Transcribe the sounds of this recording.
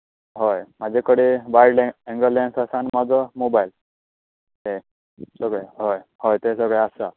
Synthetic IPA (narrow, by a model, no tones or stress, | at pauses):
ɦojmad͡zekəɽibajɖleɛ̃ŋɡəlensasanmad͡zɔmobajl | ɦe | səɡeɦojhojt̪esəɡɭeasa